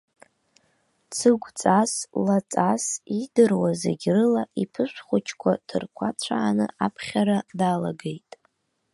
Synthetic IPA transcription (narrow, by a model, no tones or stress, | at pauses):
t͡sʰɨɡʷt͡sʼaslat͡sʼasidɨrwazḛɡʲrɨlaʔipʰɨʃʷχʷʊt͡ʃʰkʷʰatʰɨrkʷʰat͡sʷʰaːnɨ̰apʰχʲaɾadaːla̰ɡe̞jtʼ